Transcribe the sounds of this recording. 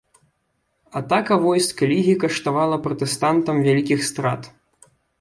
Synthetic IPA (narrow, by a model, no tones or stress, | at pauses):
at̪akɐvɔjskɐlʲiɣʲikɐʂt̪avalˠɐpɾɐt̪ɛst̪ant̪ɐmvʲalʲikʲixst̪ɾa̰t̪